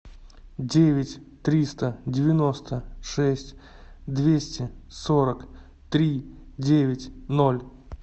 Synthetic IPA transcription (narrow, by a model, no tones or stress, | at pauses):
dʲevʲɪtʲ | t̪ɾʲist̪ədʲɪvʲɪno̞st̪əʂɛsʲtʲ | d̪vʲesʲtʲɪsoɾək | t̪ɾʲidʲevʲɪtʲnolʲ